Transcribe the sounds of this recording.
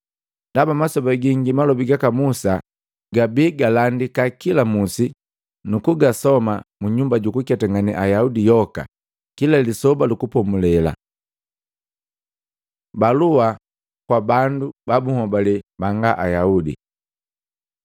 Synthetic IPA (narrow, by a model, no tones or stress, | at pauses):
ndabamasɔbaɡiŋɡimalɔbiɡakamusa | ɡabiɡalandikakilamusi | nukuɡasɔmamuɲumbaɟukukataŋɡanḭʔajaudijɔka̰ | kilalisɔbalukupɔmulɛla̰ | balua | kwabandubabuhɔbalɛbaŋɡaʔajaudḭ